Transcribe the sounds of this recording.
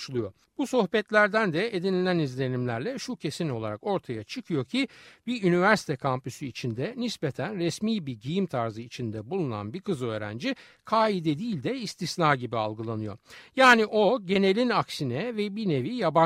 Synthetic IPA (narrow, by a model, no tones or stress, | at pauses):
ʃulˠujo̞ | b̥uso̞xbɛt̪lʲæɾd̪ænd̪ɛed̪inilʲænizlʲe̞nimlʲæɾlʲɛʃucʰe̞sino̞lˠaɾako̞ɾt̪ʰajat͡ʃʰɯkʰɯjo̞cʰibiynivæɾsi̥t̪ʰɛkʰampysyit͡ʃʰind̪ɛnispet̪ʰænɾɛsmiːbiɟijimt̪ʰaɾzɯit͡ʃʰind̪ɛbulˠuna̰nbikɯzø̞ːɾæ̰nd͡ʒi | kʰaːid̪ɛd̪iːlʲd̪ɛist̪ʰisnaːɟibialˠɡɯlˠanɯjo̞̰jaːniʔo̞ɟe̞ne̞lʲinaksinɛvɛbine̞vijaba